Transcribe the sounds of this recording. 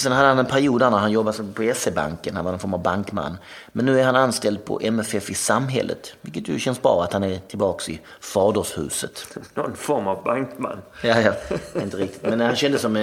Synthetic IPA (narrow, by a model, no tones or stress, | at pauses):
sɛnhad̪ːəhanɛnpʰæɾɪuːd̪æɳæɾhanjɔbːasɔpʰɛseba̰ŋkənhanvanɔnfɔɾmavbaŋkma̰nː | mɛnːʉ̟ːæɾhananst̪ɛld̪̚pʰɔ̰ʔɛmɛfɛfɪsamɦɛ̰lːə̰t̪vɪlkːət̪jɵɕɛnsbɾɑ̰ːat̪hanæɾʈ̪ʰɪlbɑːksɪ̰ | fɑːdəʂhʉ̟̰ːsət̪nɔnfɔɾmavbaŋkma̰nːjɑjɑɪnt̪əɾɪk̚t̪ɪ̥t̪mɛnːæhanɕɛnd̪əsɔmɛ